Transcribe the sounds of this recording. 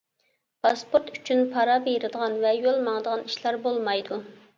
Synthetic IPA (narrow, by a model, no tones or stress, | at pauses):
pʰɑspoɾt̪y̥t͡ʃʰynpʰɑɾɑbeɾɨd̪əʁɑnvɛjolˠmɑŋd̪əʁɑniʃlɑɾbolˠmɑjd̪u